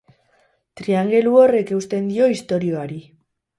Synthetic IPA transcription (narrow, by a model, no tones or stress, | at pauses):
t̪ɾiaŋɡe̞luo̞re̞ke̞ust̪e̞nd̪io̞ist̪o̞ɾio̞aɾi